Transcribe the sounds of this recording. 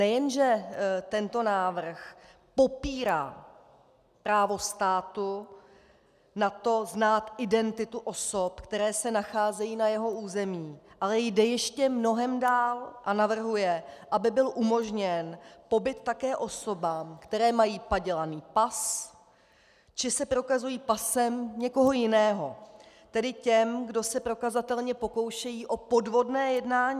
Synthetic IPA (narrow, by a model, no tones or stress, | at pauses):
nɛjɛnʒɛt̪ɛnt̪o̞naːvr̩x | po̞piːɾa̰ː | pɾaːvo̞st̪aːt̪u | nat̪o̞znaːt̪ʔɪdɛnt̪ɪt̪uʔo̞sopkt̪ɛɾɛːsɛnaxaːzɛjiːnajɛɦo̞ʔuːzɛmiːʔalɛjdɛjɛʃcɛmno̞ɦɛmdaːlʔanavr̩ɦujɛʔabɪbɪlʔumo̞ʒɲɛnpo̞bɪt̪ːakɛːʔo̞so̞baːmkt̪ɛɾɛːmajiːpaɟɛlaniːpas | t͡ʃɪsɛpɾo̞kazujiːpasɛmɲɛko̞ɦo̞jɪnɛːɦo̞ | t̪ɛdɪcɛmɡdo̞sɛpɾo̞kazat̪ɛlɲɛpo̞ko̞wʃɛjiːʔo̞po̞dvo̞dnɛːjɛdnaːɲiː